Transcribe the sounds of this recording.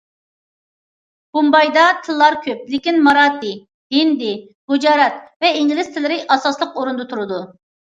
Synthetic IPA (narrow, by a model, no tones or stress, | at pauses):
b̥umbɑjd̪ɑt̪ʰɨlˠːɑɾkʲʰøp̚lɪkʲinmɑɾɑːt̪ɪ | ɦind̪ɪ | b̥ud͡ʒɑːɾɛt̪vɛiŋɡʲilɪst̪ʰɪlɪɾɪʔɑsɑslˠəqoɾund̪ɨt̪ʰuɾɨd̪u